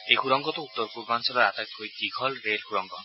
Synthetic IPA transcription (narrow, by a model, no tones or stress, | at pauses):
ejkʰuɾɔŋkɔt̪ɔut̪ːɔɾpuɾbansɔlɔɾat̪ajk̪ɦojkikʰɔlɾelkʰuɾɔŋkɔ